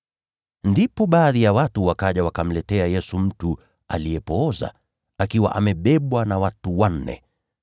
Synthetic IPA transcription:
ndipɔɓaːðijawatuwakaʄawakam̩lɛtɛajɛsum̩tu | a̰lijɛpɔɔza̰ | akiwa̰ʔamɛɓɛɓwanawatuwan̩ːɛ̰

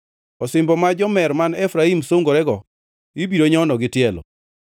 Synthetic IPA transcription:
ɔsɪmbɔmad͡ʒɔmɛɾmanɛfɾaimsoŋɡoɾɛɡɔ | ibiɾoɲɔnɔɡɪtɪɛlɔ̰

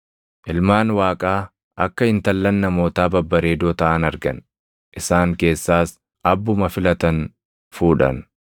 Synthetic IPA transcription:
ʔɪlmaːnwaːkʼaː | ʔɐkːɐɪnt̪ɐlːɐnːɐmo̞ːt̪aːbɐbːɐɾe̞ːd̪oːt̪ɐʔɐnɐɾɡɐ̰n | ʔɪsaːŋke̞ːsːaːs | ʔɐbːʊmɐfɪlɐt̪ɐn | fuːᶑɐ̰n

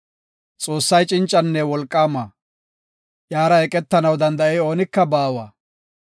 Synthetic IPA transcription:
t͡sʼo̞ːsːɐjt͡ʃʼɪnt͡ʃʼːɐnːɛwɔlkʼːaːmaː | jaːɾɐɛkʼɛt̪ːɐnɐwd̪ɐnd̪ɐʔɛjo̞ːnɪkːɐbaːwaː

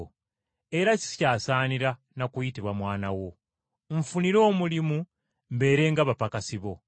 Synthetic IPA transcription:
e̞ɾaci̥scaːsaːniɾa | nakujitiβwamwaːnawo̞ | ɱfuniɾo̞ːmulimu | mbe̞ːɾe̞ŋɡaβapakasiβo̞

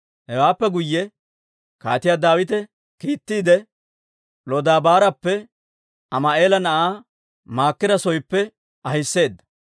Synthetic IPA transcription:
hɛwaːpːɛɡʊjːɛ | ka̰ːt̪ɪjaːd̪aːwɪt̪ɛ | kiːt̪ːiːd̪ɛ | lɔd̪aːbaːɾɐpːɛ | ɐmɐʔe̞ːlɐnɐʔaː | maːkːɪd̪ɐsɔjpːɛ | ʔɐhɪsːe̞ːd̪ːɐ̥

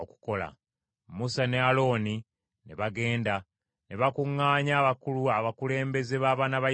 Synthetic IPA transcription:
oku̥ko̞la̰ | musanealo̞ːni | ne̞̰βaɡe̞ːnda | ne̞βakuŋːaːɲaːβakuluaβakule̞ːmbe̞ze̞βaːβanaβa

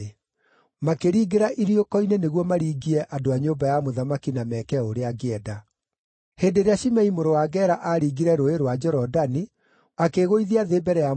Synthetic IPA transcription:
e | makeɾiːɡeɾaʔiɾjokɔineneɣwɔmaɾiːɡiɛʔadoaɲoːbajamoðamakinamɛkɛoɾeaɡeɛda | heːdeɾeaʃimɛimoɾowaɡɛɾaʔaɾiːɡiɾɛɾoeɾowad͡ʒɛɾɔdani | akeɣoiðiaðeːbɛɾɛa

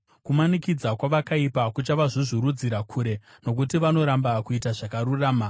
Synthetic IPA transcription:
kumanikid͡zakwaʋakaipakut͡ʃaʋaʐiʐiɾud͡ziɾakʰuːɾe̞ | no̞k̬utiʋano̞ɾambakuitaʐakaɾuraːma

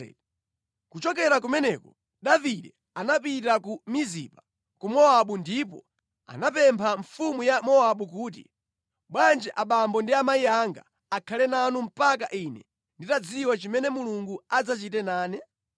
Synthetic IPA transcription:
kut͡ʃɔk̬ɛɾak̬umɛnɛkɔ | ɗaviɗɛ | anapitakumizḭpa | kumɔaɓundipɔ̰ | a̰napɛmpʰaɱfumujamɔaɓukuːt̬ḭ | ɓwand͡ʒɛʔaɓambɔndiamaiaŋɡa̰ː | kʰalɛnanum̩pakaʔinɛ̰ | nditad͡ziwat͡ʃimɛnɛmuluŋɡuad͡zat͡ʃitɛnaːnɛ

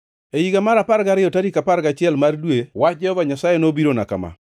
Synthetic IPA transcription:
ejiɡamaɾapaɾɡaɾɪɔtaɾikapaɾɡat͡ʃɪɛlmardwewat͡ʃ̚d͡ʒɛhɔvaɲasajenobiɾona̰ka̰ma̰

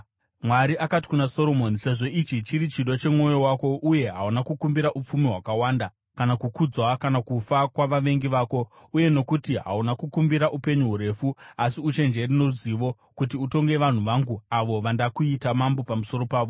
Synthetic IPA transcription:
mwaɾiʔakati̥kunaso̞ɾo̞monise̞ʐo̞it͡ʃit͡ʃiɾit͡ʃiɗo̞t͡ʃe̞mo̞jo̞wako̞ʔuje̞ɦaunakukumbiɾaʔup͡fumiɦwakawaːnda | kanakukud͡zwakanakufakwaʋaʋe̞ŋɡiʋaːko̞ | uje̞no̞kutiɦa̰unakukumbiɾaʔupe̞ɲuɦuɾe̞ːfuasiut͡ʃe̞nd͡ʒe̞rino̞ruziʋo̞ | kut̬iuto̞ŋɡe̞ʋan̤uʋaŋɡuaʋo̞ʋandakuitamambo̞pamuso̞ɾo̞paːʋo̞

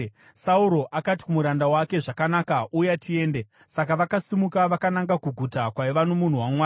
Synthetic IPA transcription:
sauɾo̞ʔakati̥kumuɾandawake̞ʐakanakaʔujatʰie̞ːnde̞ | sakaʋakasimukaʋakanaŋɡakuɡʱutakwaiʋanomun̤uwamwaː

